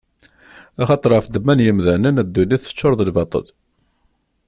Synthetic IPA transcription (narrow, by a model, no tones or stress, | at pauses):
æχɑt̪ˤəɾˤəfd̪əmːænjəmðænənæd̪ːuniθə̥t͡ʃːʊɾˤðəlvɑt̪ˤə̰l